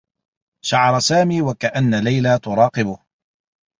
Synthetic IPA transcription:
ʃaʕɑɾˤɑsaːmiːwakaʔanːalajlaːt̪ʊɾˤɑːqɨbʊh

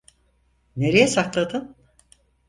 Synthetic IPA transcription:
ne̞ɾe̞jɛsaklˠad̪ɯm

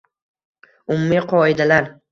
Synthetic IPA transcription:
ʊmʊmiqʰɒɪd̪alaɾ

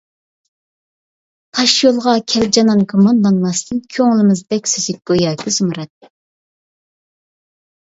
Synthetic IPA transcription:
t̪ʰɑʃjolˠʁɑkʲʰɛld͡ʒɑnɑnkʰomɑnd̪ɑnmɑst̪ʰɨnkʲʰøŋlɪmɪzd̪ɛkʲsøzɪk̚ʲb̥ojɑːk̪ʰɪzumɨɾɛt̪

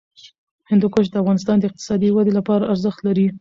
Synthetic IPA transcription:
hɪnd̪ukoʃ̬d̪əafɣɑnɪs̬t̪ɑnd̪əɪq̚t̪ɪ̥sɑd̪iwad̪elapɑɾaʔaɾzəxt̪laɾi

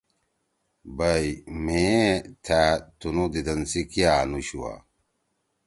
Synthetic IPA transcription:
bɐimẽt̪ʰat̪unud̪id̪ɐnsikiaːnuɕuwa̰

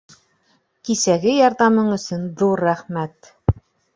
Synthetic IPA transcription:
kisæɡɘjɑɾðɑmɤɴɵ̆sɵnðuɾːæχmæt̪

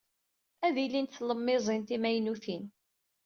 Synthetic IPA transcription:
æðilːint̪θləmːɪzˤint̪imæjnuθin

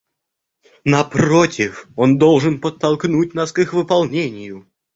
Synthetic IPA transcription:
nɐpɾotʲɪfond̪olˠʐɨnpət̪ːɐlˠknut̚ʲnaskɨxvɨpɐlˠnʲenʲɪjʊ

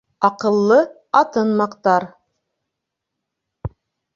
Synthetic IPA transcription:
ɑqɤ̆lˠːɤ | ɑt̪ɤnmɑqt̪ɑɾ

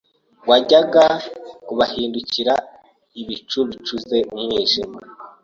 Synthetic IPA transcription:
ɡwaɟaɡakuβahiːnduciɾa | iβit͡ʃuβit͡ʃuze̞mŋɲiːʒima

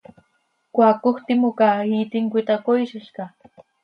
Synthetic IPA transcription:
kwakʊxt̪ɪmʊkait̪ɪŋkʷɪt̪akojʃɪʃka

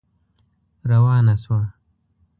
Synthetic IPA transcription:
ɾɐwaːnaswaː

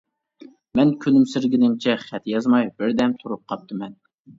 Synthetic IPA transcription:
mɛnkʲʰønymsɪɾɡʲɪnɪŋt͡ʃʰɛχɛt̪jɑzmɑjbɪɾd̪ɛmt̪ʰuɾup̚qʰɑp̚t̪ʰɨmɛn

